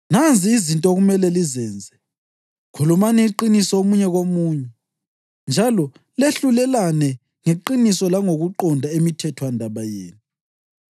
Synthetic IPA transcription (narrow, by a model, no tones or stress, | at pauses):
nand͡zʱiːzintʼɔɣumɛlɛlizɛːnd͡zʱɛ | kʰulumanɛiǃinisɔomuɲɛɣomuːɲɛ | nd͡ʒʱalɔ | leɬulɛlanɛ | ŋeǃinisɔlaŋoɣuǃɔndʱaemitʰɛtʰwandʱaβajeːnu